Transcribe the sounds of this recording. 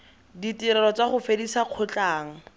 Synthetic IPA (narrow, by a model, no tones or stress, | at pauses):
ditiɾɛlɔt͡saχʊfedisaq͡χʰʊt͡ɬʼaːŋ̩